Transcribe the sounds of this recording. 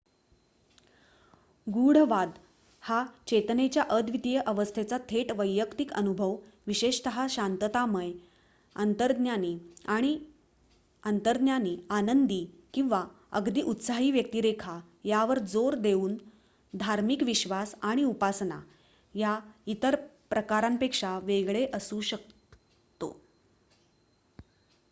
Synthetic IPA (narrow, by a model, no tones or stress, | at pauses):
ɡuɽ̤əʋad̪ | hat͡ɕet̪ənet͡ɕjaʔəd̪ʋid̪ijəʔəʋəst̪ʰet͡sat̪ʰeʈʋəjːəkt̪ikənubʱəʋʋiɕeɕt̪əɦaɕant̪ət̪aməj | ənt̪əɾd̪njaniaɽ̃i | ənt̪əɾd̪njaniːanənd̪iː | kĩw̃ʋa | ə̰ɡd̪iːʔut̪saɦiːʋjək̚t̪iːɾekʰa | jaʋəɾd͡zoɾd̪euːn | d̪ʱaɾmikʋiɕʋasaɽ̃iupasna̰ | jait̪əɾpɾəkaɾampekʂaʋeɡɭeʔəsuɕək̚ | t̪o̰